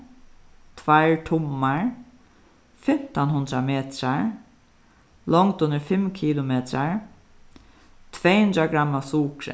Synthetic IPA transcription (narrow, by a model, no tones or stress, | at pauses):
t̪ʰvaɹt̪ʰʊmːaɹ | fɪm̥t̪anɦʊnt̪ɾameːt̪ɾaɹ | lɔŋkt̪ʊnːəɾfɪmkʰiːlʊmɛːt̪ɾaɹ | t̪ʰvɛːhʊnd̪ɾaɡɾamːasuːkɾɪ̰